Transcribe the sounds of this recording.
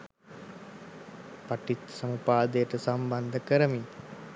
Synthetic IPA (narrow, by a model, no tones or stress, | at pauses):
paʈit̪sɐmupaːd̪əjəʈəsamband̪əkəɾəmi